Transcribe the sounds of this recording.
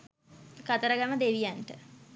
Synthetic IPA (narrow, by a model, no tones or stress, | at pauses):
kɐt̪əɾəɡaməd̪eʋijaɳʈə